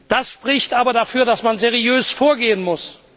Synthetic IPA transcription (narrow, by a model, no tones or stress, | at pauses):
d̥asʃpʁ̥ɪçtʔaːbɐdafyːɐdasmanzeʁiøːsfoːɐɡeːənmʊs